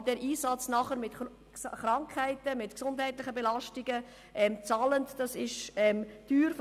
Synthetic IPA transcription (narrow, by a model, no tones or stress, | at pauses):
d̥ɛːɾʔiːsɑt͡snɑχəɾmɪt | χɾɑŋkʰhæɪtəmɪtksʊnd̥ɦɛɪtlɪχəbɛlɑʃtiɡ̥ə | ʔɛmt͡sɑːləntd̥ɑsɪʃɛmtyːɾf